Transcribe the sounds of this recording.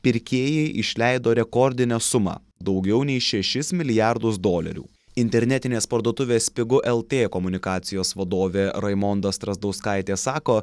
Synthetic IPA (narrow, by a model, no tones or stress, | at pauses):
pʲɪɾʲkʲeːjɛɪʔɪʃʲlʲæɪd̪oːɾʲɛkɔɾʲd̪ʲɪnʲɛsʊmɑ̰ː | d̪ɒʊɡʲɛʊnʲɛɪʃʲɛʃʲɪsmʲɪlʲɪjæɾd̪ʊsd̪oːlʲɛ̰ɾʲṵː | ɪnʲt̪ʲɛɾʲnʲɛt̪ʲɪnʲeːspɐɾd̪oːt̪ʊʋʲeːspʲɪɡʊʔɛlˠt̪ʲeːkɔmʊnʲɪkɑːt̪sʲɪjoːsʋɐd̪oːʋʲeːɾɐɪmɔnd̪ɐst̪ɾɐzd̪ɒʊskɑɪt̪ʲeːsɑːkoː